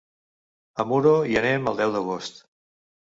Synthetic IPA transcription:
əmuɾoiənɛməlˠd̪ɛwd̪əɣ̞ost̪

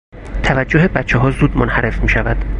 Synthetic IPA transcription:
t̪ʰævæd͡ʒːohe̞bæt̪t͡ʃʰːeɦɒːzuːd̪monhæɾʔe̞fmiːʃævæd̪̥

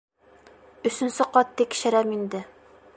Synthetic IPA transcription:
ɵ̆sɵ̆nsɘqɒt̪ːikʃɘ̆ɾæmind̪ɘ

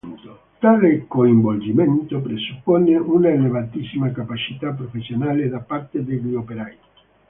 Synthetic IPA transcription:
nt̪o | t̪alekoimbold͡ʒiment̪opɾesupːoneʔunaelevat̪isimakapat͡ʃit̪apːɾofesjonaled̪apaɾt̪ed̪eɡiopeɾaj

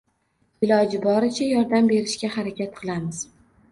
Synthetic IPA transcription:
ɪlɒd͡ʒɪbɒɾɪt͡ʃʰajɒɾd̪ambe̞ɾɪʃkʲahaɾakʲat̪̚qʰɨlˠamɪz̥

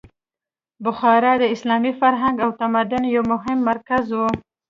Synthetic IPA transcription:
bʊxɑɾɑd̪əɪslɑmifaɾɦaŋɡawt̪amad̪ʊnjawmʊɦɪmːaɾkazwu

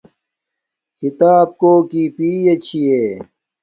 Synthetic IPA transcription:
kʰit̪aːb̚koːkiːpiːjɐt͡ɕʰieː

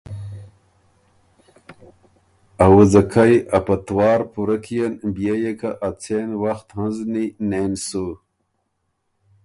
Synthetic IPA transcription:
awuzakʰajɐpɐt̪wɑːɾpuɾakʰijanbjejekʰaʔat͡sʰenwaxt̪hanzninensu

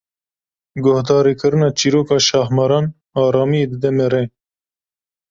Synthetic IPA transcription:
ɡʊhd̪ɑːɾiːkɨɾɨnɑːt͡ʃiːɾoːkɑːʃɑːhmɑɾɑːn | ɑːɾɑːmijeːd̪ɨd̪ɛmeɾeː

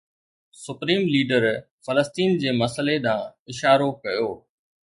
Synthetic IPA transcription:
sʊpɾiːmliːɖəɾ | fɐləst̪iːnd͡ʑeːmɐsəleɗ̪ãːɪʃaːɾokɐjoː

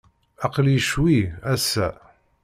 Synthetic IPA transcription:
ɑqəljʃwiæsːæ

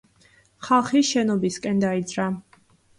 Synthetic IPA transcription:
χalˠχiʃɛnɔbiskʼɛnd̪aid̪zɾa

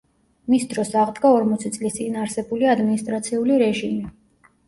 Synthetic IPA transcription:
misd̪ɾɔsaʁd̪ɡaɔɾmɔt̪sʰit̪sʼlist̪sʼinaɾsɛbuliad̪minist̪ʼɾat̪sʰiuliɾɛʒimi

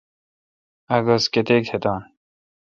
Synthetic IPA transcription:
ɐɡosket̪ek̚t̪ʰet̪ɑːn

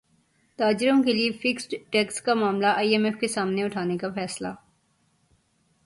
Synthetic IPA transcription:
t̪aːd͡ʒɪɾõkeliefɪksʈʈɛkskamaːmlaʔaːiɛmɛfkesaːmneʊʈʰaːnekafɛːsla

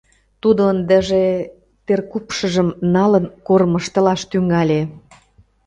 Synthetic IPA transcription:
t̪ud̪ond̪ə̆ʒe | t̪erkupʃə̆ʒəmnɑlənkormə̆ʃt̪ə̆lɑʃt̪yŋɑlʲe

